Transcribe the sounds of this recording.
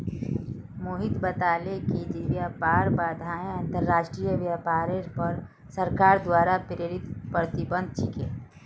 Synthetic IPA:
moːɦɪt̪bət̪aːleked͡ʒiʋjaːpaːɾbaːd̪ʱaːẽɐ̃nt̪əɾːaːʃʈɾijəʋjapaːɾeɾpəɾ | səɾkaːɾd̪waːɾapɾeːɾɪt̪pɾət̪ɪbə̃nd̪̚ʱt͡ʃʰɪkeː

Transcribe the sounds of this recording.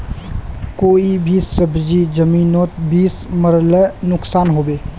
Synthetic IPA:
koːibʱisəbʱd͡ʒid͡ʒəmiːnoːt̪biːsməɾlɛnʊksaːnɦoːbeː

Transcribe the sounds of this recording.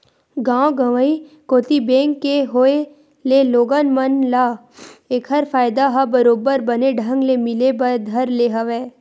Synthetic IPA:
ɡãːwɡɐʋəi | koːt̪ibẽːŋkːeɦoe | leloːɡənmɐnlaː | eːkɦɐɾfaːjd̪aɦabɐɾoːbəɾbɐneɖʱɐ̃ŋɡlemɪlebɐɾd̪ʱɐɾleɦɐʋeː

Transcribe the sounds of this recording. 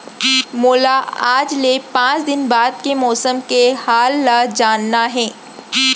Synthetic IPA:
moːlaaːd͡ʒlepãːt͡ʃd̪ɪnbaːd̪̚kemɔːsəmkehaːlːad͡ʒaːnːaɦɛ̃ː

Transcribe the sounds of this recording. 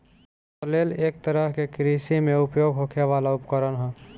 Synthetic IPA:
leleːk̚t̪əɾəɦkekɾisimẽʊpjoːɡɦokʰeʋalaʊpkəɾənɦə̃

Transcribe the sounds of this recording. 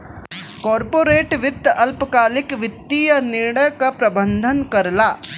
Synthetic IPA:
kɔːɾpoːɾeːʈʋɪd̪ɐlpkaːlɪkʋɪt̪ːijɐnɪɾɽəjkapɾɐbə̃nd̪ʱənkɐɾlaː

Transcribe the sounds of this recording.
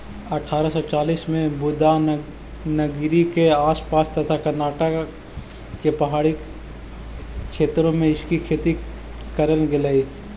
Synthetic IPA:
ɐʈʰaːɾasɔt͡ʃaːliːsmẽbʊd̪a | nɐɡɾikeaːspaːst̪ɐt̪ʰakɐɾnaːʈə | kepɐɦaːɽi | kʃeːt̪ɾõmẽɪskikʰeːt̪i | kɐɾənɡɪlaːiː

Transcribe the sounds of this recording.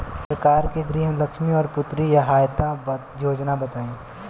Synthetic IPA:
səɾkaːɾkeɡɾiːɦmlɐkʃmiɔːɾpʊt̪ɾijaɦaːjt̪ab | joːd͡ʒnabɐt̪aːĩː

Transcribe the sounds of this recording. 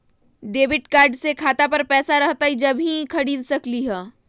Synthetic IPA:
ɖeːʋɪʈkaːɾɖsekʰaːt̪apɐɾpɛːsaɾɐɦt̪aɦid͡ʒɐbʱĩkʰɐɽiːlsɐkliɦɛː

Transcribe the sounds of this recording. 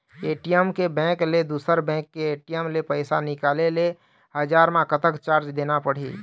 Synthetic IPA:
eːʈijəmkebɛ̃kled̪uːsəɾbɛ̃ːkːeeːʈijəmlepəɪsanɪkaːlele | həd͡ʒaːɾmãkət̪əkt͡ʃaːɾt͡ʃd̪eːnapəɽ̤ḭː

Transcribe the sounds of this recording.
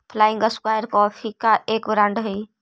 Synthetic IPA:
pʰlaːɪ̃ŋɡəskwaːjəɾkɔːfʰikaʔeːkʋɾãɳɖɦiː

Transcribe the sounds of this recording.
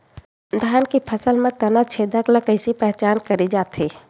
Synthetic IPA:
d̪ʱjaːnkipʰɐsəlmẽt̪ɐnət͡ʃʰeːd̪əkləkəɪsipɛɦt͡ʃaːnkɐɾid͡ʒaːt̪ɦeː

